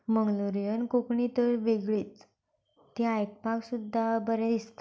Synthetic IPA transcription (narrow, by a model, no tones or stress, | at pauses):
məŋɡluɾjənkokɳit̪əɾʋeɡɭiːt͡s̪ː | iajk̚paksud̪ʱːabəɾad̪ist̪